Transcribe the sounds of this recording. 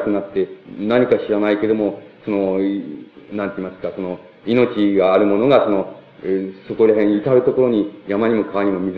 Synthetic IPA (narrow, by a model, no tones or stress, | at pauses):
kɯnat̪ːe̞naɲ̟ikaɕiɾanaike̞d̪o̞mo̞so̞no̞ | nãnt̪eimasɨ̥kaso̞no̞ | ino̞t͡ɕiɡaːɾɯ̟mo̞no̞ɡaso̞no̞ | so̞ko̞ɾaɦẽ̞ɰ̃it̪aɾɯ̟t̪o̞ko̞ɾo̞ɲ̟ijamaɲ̟imo̞kaβaɲ̟imo̞mʲiz